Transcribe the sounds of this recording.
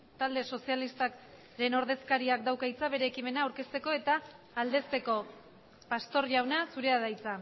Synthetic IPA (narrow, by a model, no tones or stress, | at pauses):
t̪ald̪e̞so̞sialist̪ak | ɾe̞no̞ɾðe̞skaɾiak̚d̪awkajt͡saβe̞ɾe̞ːkime̞naːwɾke̞st̪e̞ko̞e̞t̪aː | ld̪e̞st̪e̞ko̞ | past̪o̞ɾʝawnasuɾe̞aðajt͡sa